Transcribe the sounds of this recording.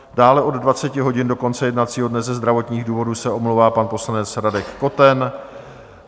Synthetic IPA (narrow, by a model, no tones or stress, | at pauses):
daːlɛʔo̞dːvat͡sɛcɪɦo̞ɟɪndo̞ko̞nt͡sɛjɛdnat͡siːɦo̞dnɛzɛzd̪ɾavo̞t̪ɲiːɣduːvo̞duːsɛʔo̞mlowvaːpanpo̞slanɛt͡sɾadɛkːo̞t̪ɛn